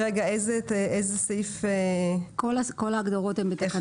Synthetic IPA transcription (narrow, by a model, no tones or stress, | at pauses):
ʁeɡaejzeezesejfekolakolaːɡd̪oʁo̞t̪embet̪aχa